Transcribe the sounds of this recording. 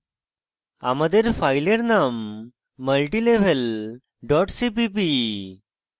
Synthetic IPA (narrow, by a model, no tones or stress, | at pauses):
a̰məd̪eɾfajleɾnamː | əlʈileʋ̤əl | ɖɔʈsipip̬i